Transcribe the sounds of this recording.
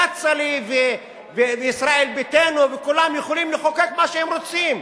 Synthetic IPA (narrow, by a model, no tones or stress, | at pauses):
at͡salive | veveisʁaelbit̪enuvekulamjeχolimleχokekmaʃehemʁot͡sim